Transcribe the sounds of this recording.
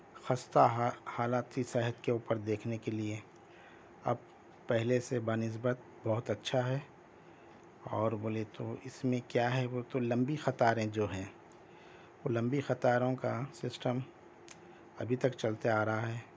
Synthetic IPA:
xɐst̪aɦhaːlaːt̪isɛɦət̪keuːpəɾd̪eːkʰnekelie | ɐ̰b̚ | pɛɦlesebaːnɪs̬bət̪̚ | bɐɦʊt̪ɐtːʃʰaɦɛ | ɔːɾboːlet̪oɪsmẽkjaːɦɛʋot̪olɐ̃mbixɐt̪aːɾẽd͡ʒoːɦɛ̃ː | ʋolɐ̃mbixɐt̪aːɾõkasɪsʈəm | ɐ̰bʱit̪ɐkt͡ʃɐlt̪eaːɾɐɦaɦɛː

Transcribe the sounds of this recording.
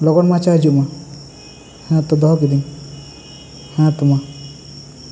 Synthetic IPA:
lɔɡɔnmãt͡ʃaɦd͡ʒuma | hãt̪ɔd̪ɔɦɔk̬id̪in | hãt̪uma

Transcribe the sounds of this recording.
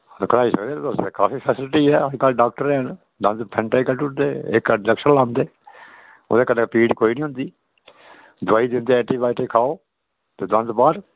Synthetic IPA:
kəɽaːiːsəkd̪eːseːkaːpʰiːpʰɛːsɪlʈiːɦɛːikaːlɖaːk̚ʈəɾɛːən | d̪ə̃nd̪pʰɛ̃ɳʈaikəlʈuʈd̪eːḛkːələkʃəɾlãːmd̪eː | ʊ̰d̪eːkənpiːɖkoːiːnĩːɦʊ̃nd̪iː | d̪ʊaːiːd̪ɪnd̪eːɛːʈiːbaːiʈeːkʰaːoː | t̪eːd̪ə̃nd̪baːɾ

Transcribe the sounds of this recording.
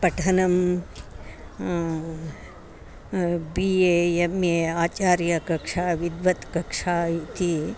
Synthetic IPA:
pɐʈʰɐnɐm | bieemeaːt͡ʃaːɾjɐkɐkʂaːʋid̪ʋɐt̪kɐkʂaːit̪i

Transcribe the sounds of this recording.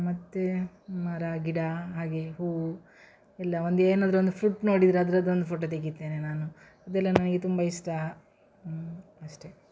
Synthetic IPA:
mɐt̪ːe | mɐɾaɡiɽaɦaːɡe̞ɦu | ɛlːɐond̪eːnaːd̪ɐɾond̪upʰɾuʈːno̞ːɽid̪iɾeɐd̪ɐɾɐd̪ond̪upʰoːʈoːt̪eɡit̪ːe̞ːnenaːnu | ɐd̪ɛlːɐnɐnɐɡet̪umbɐiʂʈɐ | ɐʂʈe̞

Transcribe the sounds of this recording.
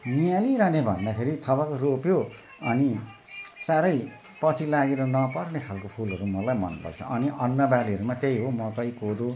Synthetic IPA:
nijaliɾʌnebʱʌ̰nd̪akʰeɾit̪ʰʌbakoropjo | ʌni | saɾʌj | pʌt͡sʰilaɡeɾʌnʌpʌrnekʰalkopʰulɦʌɾumʌlajmʌ̰npʌ̰kt͡sʰʌ̰ʔʌniʔʌnːʌbaliɦʌɾumat̪ejɦomʌt̪ʌikod̪u

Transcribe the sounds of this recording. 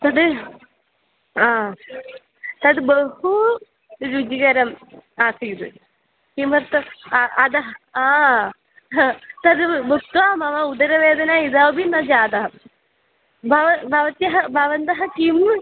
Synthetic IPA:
t̪ɐd̪ɨ | aː | t̪ɐd̪ɨbɐhu | ɾud͡ʒiɡɐɾɐmaːsɐjd̪ɨ̰ | kimɐɾt̪ɐɐd̪ɐɦɐaː | t̪ɐd̪ɨbukt̪aːmɐʋɐud̪ɐɾɐʋeːd̪ɐnaːid̪ɐʋbinɐd͡ʒaːd̪ɐɦɐ | bʱɐʋɐbʱɐʋɐt̪jɐɦɐbʱɐʋɐnd̪ɐɦɐkim

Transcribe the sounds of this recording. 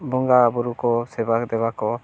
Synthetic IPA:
bɔŋɡabɔɾukɔsɛbak̚d̪ɛbakɔ

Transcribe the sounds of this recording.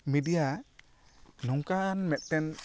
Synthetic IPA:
midija | nɔŋkanmɛt̪̚ˀtɛn

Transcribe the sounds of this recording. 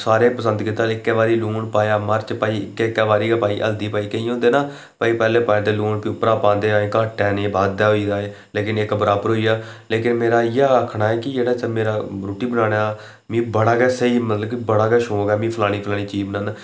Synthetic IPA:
saːɾeːpəsə̃nd̪kiːt̪ːaːlɪkːɛːʋaːɾiːluːɳpaːjaːməɾt͡ʃpaːiːɪkːekːaːʋaːɾiːɡaːpaːiːʔə̰ld̪iːpaːiːkəĩːõːnd̪eːnaː | paːiːpɛːleːpaːjt̪eːluːɳpiʊpːɾãːpãːnd̪eːaːẽːkaːʈːɛːneːbaːd̪ːaːɦoiːaːeːleːkɪnekbəɾaːbəɾɦoːiːaːleːkɪnmeːɾaːjaːəkʰɳaːɛːkɪd͡ʒeːɽaːt͡ʃəmeːɾaːɾuːʈiːbənãːɽ̃a | mĩːbəɽaːkɛːsəiːmət̪ləbibəɽaːkɛːʃõːɡɛːmĩːpʰəlaːɽ̃iːpʰəlaːɽ̃iːt͡ʃiːbnaːn

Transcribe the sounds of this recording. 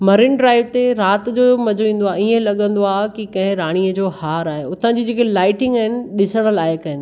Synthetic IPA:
mɐɾɪnɖɾaːɪʋt̪eɾaːt̪d͡ʑoːmɐd͡ʑʱoʋĩːnd̪oaːiẽlɐɠə̃nd̪oaːkikɐ̃ɦɪ̃ɾaːɽ̃iːəd͡ʑoːhaːɾaːɦeʊt̪ə̃d͡ʑid͡ʑeːkelaːɪʈɪ̃ŋɡaːɦɪnɪ̆ɗɪsəɽ̃ə̆laːɪkɐɪn

